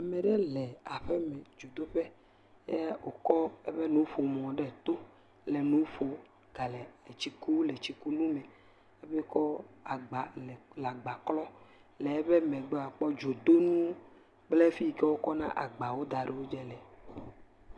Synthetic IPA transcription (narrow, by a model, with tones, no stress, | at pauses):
a˨mẽ˨ɖɛ˦lɛ˨a˨ɸɛ˦mɛ̃˨d͡ʒo˨d̪o˦ɸɛ˦ | ɛ˦o˨kɔ˦ɛ˦ɸe˦nũ˦ɸo˨m˨ɔ̃˨ɖɛ˦t̪o˦ | lɛ˨nũ˦ɸo˨ | ɡ̥a˨lɛ˨e˨t͡ɕi˨ku˦le˨t͡ɕi˨ku˦lu˦mɛ̃˨ | e˦ɸɛ˦kɔ˦a˨ɡ͡ba˨lɛ˨la˨ɡ͡ba˨klɔ˦lɛ˨ɛ˦βe˦mẽ˨ɡ͡be˦a˨k͡pɔ˦d͡ʒo˨d̪o˦nũ˦ | k͡ple˦fi˦˨kɛ˦wo˦kɔ˦nã̰˦ʔa̰˨ɡ͡ba˨wo˦d̪a˨ɖe˨wo˦d͡ʒɛ˦lɛ˨